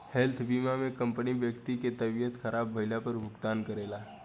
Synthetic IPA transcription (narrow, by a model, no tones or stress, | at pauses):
hɛlt̪ʰbiːmamẽkə̃mpənibjəkt̪iket̪ɐbijət̪xəɾʔaːbːʱəɪlapəɾbʱʊkt̪aːnkəɾeːlaː